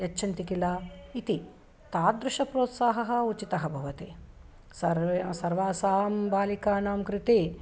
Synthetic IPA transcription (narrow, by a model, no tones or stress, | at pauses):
jɐt͡ʃːʃʰɐnt̪ikilait̪i | t̪aːd̪ɾuʃɐpɾoːt̪saːɦɐɦɐ̆ut͡ʃit̪ɐɦɐbʱɐʋɐt̪eː | sɐsɐɾʋaːsaːmbaːlikaːnaːmkɾɪt̪eː